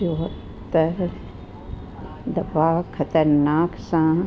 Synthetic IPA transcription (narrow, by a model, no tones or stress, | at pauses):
uɦɐp | t̪ɐ | d̪ɐbaːkʰːɐt̪ɐɾnaːksãː